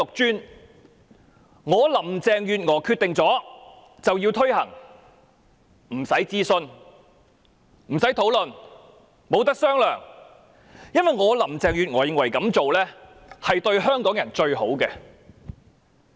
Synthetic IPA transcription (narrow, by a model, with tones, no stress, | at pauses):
ʊ˨k̚t͡ʃyː˥n | ŋɔː˨˧lɐ˨˩mt͡sɛː˧ŋjyː˨˧t̚ŋɔː˨˩kʰyː˧t̪ɪ˨ŋt͡sɔː˨˥ | t͡sɐ˨wjiː˧wt̪ʰɵ˥ɥɦɐ̰˨˩ŋ | m̩˨˩sɐ˨˥jt͡siː˥sɵ˧n | m̩˨˩sɐ˨˥jt̪ʰo˨˥wlɵ˨n | mo˨˧wt̪ɐ˥k̚sœː˥ŋlœː˨ŋ | jɐ˥nwɐ˨˩jŋɔː˨˧lɐ˨˩mt͡sɛː˧ŋjyː˨t̚ŋɔː˨˩jɪ˨˧ŋwɐ˨˩jkɐ˨˥mt͡so˨wlɛː˥ | hɐ˨jt̪ɵ˧ɥhœː˥ŋkɔː˨˥ŋjɐ˨˩nt͡ʃɵ˧ɥho̰˨˥wkɛː˧